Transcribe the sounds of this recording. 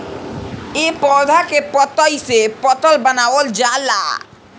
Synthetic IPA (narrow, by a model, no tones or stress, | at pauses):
epɔd̪ʱakepɔt̪ɔjsepɔt̪ɔlbənawold͡ʒala̰